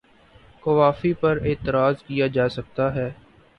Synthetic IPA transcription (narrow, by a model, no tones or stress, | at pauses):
kɐʋaːfipɐɾeːt̪əɾaːzkijad͡ʒaːsɐk̚t̪aɦɛː